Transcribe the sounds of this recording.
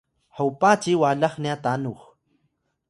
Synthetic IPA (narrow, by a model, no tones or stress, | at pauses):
hawpaːt͡ʃiwaːlaχniat̪anuχ